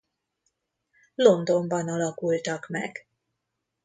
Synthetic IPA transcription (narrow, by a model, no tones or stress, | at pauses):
lo̞nd̪o̞mbɒnɒlɒkult̪ɒkmɛ̰ɡ̥